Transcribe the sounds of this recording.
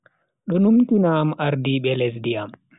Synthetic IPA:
ɗɔnumtinamʔaɾdiɓɛlɛsdiam

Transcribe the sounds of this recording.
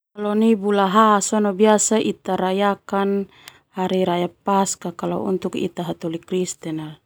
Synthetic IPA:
kalɔnibulaɦasɔnɔbiasaʔit̪aɾajakan | haɾiɾajapaskakalɔ̰ṵnt̪ukḭt̪aɦat̪ulikɾist̪ɛnal

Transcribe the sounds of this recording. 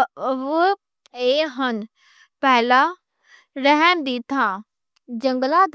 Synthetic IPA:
ʋ | eːɦən | pɛɦɪla | ɾəɦɛmd̪iːt̪ʰã | d͡ʑɐ̃ŋɡlad̪

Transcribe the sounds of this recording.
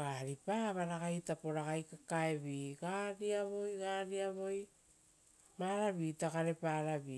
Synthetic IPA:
aːɾipaːβaɾaɣajtapo̞ɾaɣajkakaeβiɡaɾiaβo̞jɡaɾiaβo̞j | maɾaβitakaɾe̞paːɾaβi

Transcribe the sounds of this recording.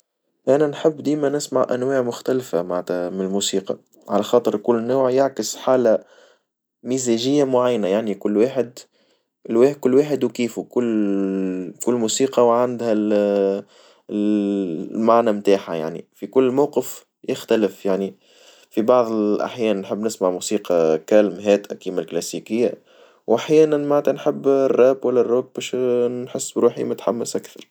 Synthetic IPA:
ʔænænħɪbːd̪iːmænɪsmaʕʔæ̰nwaːʕmʊxt̪ælfamaʕt̪æmɪnɪlmuːsiːqɑ̰ | ʕalæxɑːt̪ˤəɾkʊlːnːuːʕjaʕkəsħaːla | miːzæʒɪjːamʊʕajːnajaʕnikʊlːwaːħɪd̪ | ɪlwaːkʊlːwaːħɪd̪wkiːfukʊlː | kʊlːmuːsiːqɑwʕand̪hæl | maʕnæmt̪aːħaja̰ʕnḭfikʊlːmawqəf | jɪxt̪ælɪfjaʕni | fibɑʕðˤɪʔa̰ħjɛːnnħɪbːnɪsmaʕmusiːqɑkælmɦɛːt̪ʔækiːmælklæsikɪjːa | wʔaħjɛːnænmaʕt̪ænħəbːrˤːɑːbwælːærˤːʊːk̚bɛːʃħɪsːbɾuːħḭmʊt̪ħamːəsʔakθɑɾˤ

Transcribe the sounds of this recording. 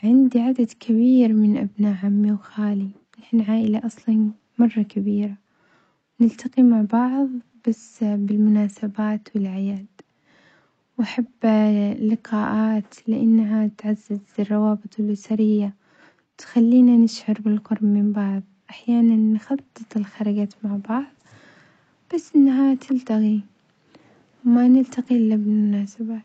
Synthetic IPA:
ʕɪnd̪iʕad̪ad̪kʰabiːɾmɪnʔa̰bnaːʔʕamːiwxaːlibħnʕaːʔɪlaʔɑsˤlɑ | mɑrˤːɑkabiːɾa | wnɪlt̪aqimaʕbɑʕðˤb̥asːbɪlmʊnaːsabaːt̪wɪlʕɪjaːd̪ | wʔaħabːlɪqɑːʔaːt̪lɪʔanːaɦat̪ʕazːazrˤːɑwɑːbɨt̪ˤɪlʔɪsaɾɪjːa | wt̪xalːiːnanɪʃʕɑɾbɪlqʊɾˤbmɪmbɑʕðˤʔaħjaːnanːxɑt̪ˤːɨt̪ˤɪlxaɾˤɑɡaːt̪maʕbɑʕðˤ | b̥asːʔɪnːaɦat̪ʰɪlt̪aɣi | manɪlt̪aqiʔɪlːabɪlmʊnaːsabaːt̪

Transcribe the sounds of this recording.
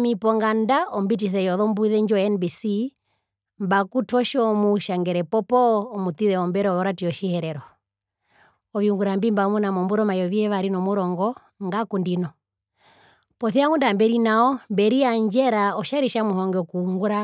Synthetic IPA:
mipɔŋɡandaɔmbit̬iθɛjɔðɔmbuiðɛɲd͡ʒɔɛnbisi | mbakutwɔʃɔmuʃaŋɡɛɾɛpɔpɔːmut̪iðɛɔmbɛɾɛɔɔɾatiɔʃihɛɾɛɾɔ | ɔʋiuŋɡuɾambimbamunamɔmbuɾɔmajɔʋihɛʋaɾinɔmuɾɔŋɡɔ | ŋɡakundinɔ | pɔθiaŋɡundambɛɾinaɔmbɛɾiaɲd͡ʒɛɾaɔʃaɾiʃamuɦɔŋɡɛɔkuuŋɡuɾa

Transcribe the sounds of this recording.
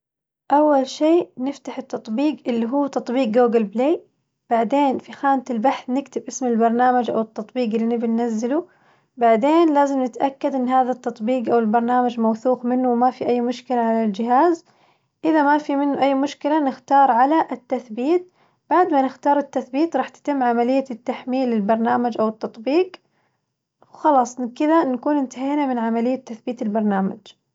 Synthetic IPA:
ʔawːalʃeːnɪft̪aħɪt̪ːɑt̪ˤbiːɡʔɪlːiɦuːt̪ɑt̪ˤbiːq̚ːoːɡalbleː | b̥aʕd̪eːnfixaːnt̪ɪlbaħθnɪkt̪ɪbʔɪsmɪlbɑɾˤnaːmad͡ʒʔa̰wɪt̪ːɑt̪ˤbiːqɪlːinɪbinːazːɪlu | baʕd̪eːnlaːzɪmnɪt̪ʔakːad̪ʔɪnːɦaːðat̪ːɑt̪ˤbiːqʔawɪlbɑɾˤnaːmad͡ʒmawθuːqmɪnːʊwmafiʔajːmʊʃkɪlaʕalald͡ʒɪɦaːz | ʔɪðamafimɪnːʊʔajːmʊʃkɪlanɪxt̪ɑːɾˤʕalaʔɪt̪ːaθbiːt̪̚ | b̥aʕd̪manɪxt̪ɑːɾˤɪt̪ːaθbiːt̪ɾˤɑːħt̪ɪ̥t̪ɪmːʕamalɪjːat̪ːaħmiːlːɪlbɑɾˤnaːmad͡ʒʔawɪt̪ːɑt̪ˤbiːɡ | wxɑlɑːsˤnkɪðanakuːnɪnt̪aɦeːnamɪnʕamalɪjːat̪ːaθbiːt̪ɪlbɑɾˤnaːma̰d͡ʒ

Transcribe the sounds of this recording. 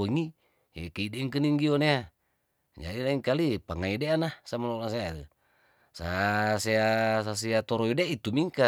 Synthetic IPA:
oŋi | ḛkeideŋkəniŋɡionea | d͡ʒa̰dilaiŋkalipaŋaideanasamalolas̬ea | saseasas̬iat̪ɔɾɔjudeait̪umiŋka

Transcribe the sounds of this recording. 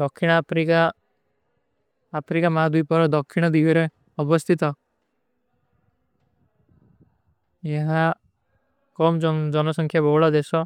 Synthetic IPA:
d̪ɔkʰːiɽ̃pɾika | pʰɾikamad̪ujpɔɾɔd̪ɔkʰːiɽ̃ɔd̪iɡiɾe | ɔbɔst̪ʰit̪ɔ | jeɦa | kɔmd͡ʒɔnɔsɔŋkʰjabɔɦɽad̪esɔ

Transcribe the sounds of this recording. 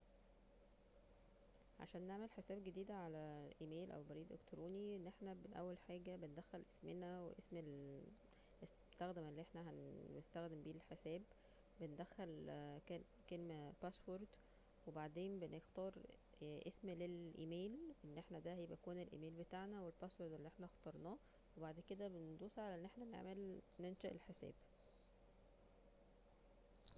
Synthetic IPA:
ʕa̰ʃæːnːeʕmelħesæːbɡed̪iːd̪æʕalæʔimeːlʔæ̰wbɑɾiːd̪ʔḛkt̪ɾuːniʔenːʔeħnæbenʔæ̰wːælħaːɡæbend̪æxːælʔe̥smenæwḛʔesmel | es | t̪æxd̪emelːiʔeħnæɦænːest̪æxd̪embiːlħesæːb | bend̪æxːælke | kelmæpæswoɾˤd̪ | webaʕd̪eːnbenext̪ɑːɾˤ | ʔesmlelʔḭːmeːlʔenːʔeħnæd̪æhjbækuːnelʔḭmeːlbet̪aʕnæwelpæswoɾˤd̪elːiʔeħnæxt̪ˤɑɾˤnɑː | webaʕd̪ked̪æbend̪uːsʕalæʔenːʔeħnænḛʕmelnenʃæʔḛlħesæ̰ːb

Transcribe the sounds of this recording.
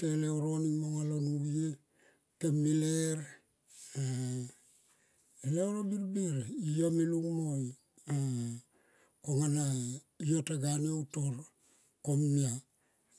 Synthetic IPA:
teleoɾonimoŋalonuβie | kemːileɾ | a | eleoɾobiɾbiɾijamiluŋmoj | a | koŋana | ijotaɡanioutoɾ | komnia

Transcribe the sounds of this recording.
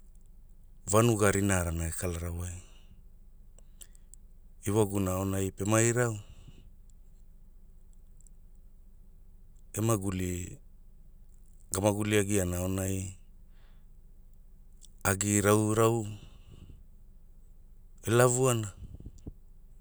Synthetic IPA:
vanuɡaɾinaɾanaekalaɾawaj | iwaɡunao̞najpe̞majɾaw | emaɡuli | ɡamaɡuliaɡianao̞naj | aɡiɾawɾaw | e̞lavuana

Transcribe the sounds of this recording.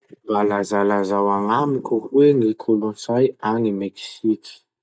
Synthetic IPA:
balazalazawaŋamikʲuweŋikʰolunsajanimeksikʲi̥

